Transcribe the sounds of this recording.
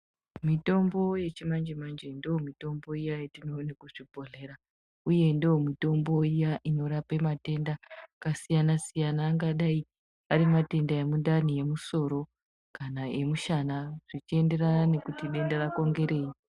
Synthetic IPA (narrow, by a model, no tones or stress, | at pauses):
mito̞mbo̞je̞t͡ʃimand͡ʒemand͡ʒe̞ndiomito̞mbo̞ijajetino̞ːnekuʐibʱo̞ɮe̞ɾa | uje̞ndiomito̞mbo̞ijaʔino̞ɾape̞mate̞ndakasijanasijanaːŋɡaɗai | aɾimate̞ndae̞mundanije̞muso̞ɾo̞ | kanae̞muʃanaʐ̥it͡ʃie̞nde̞ranane̞kutiɗe̞ndarako̞ŋɡe̞ɾe̞ːi